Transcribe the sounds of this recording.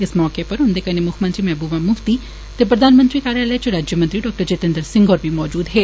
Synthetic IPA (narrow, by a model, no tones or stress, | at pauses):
ɪsmɔːkepɐɾɦʊ̃nd̪ekɐnemʊkʰmɐ̃nt̪ɾimɛːbuːʋamʊft̪i | t̪epɾɐd̪aːnmə̃nt̪ɾikaːɾjaːlɛːt͡ʃʊɾaːd͡ʒjəmə̃nt̪ɾiɖɔːk̚ʈəɾt͡ʃeːt̪ə̃nd̪əɾsɪ̃ŋɡɔːɾbʱimɔːd͡ʒuːd̪ɦɛː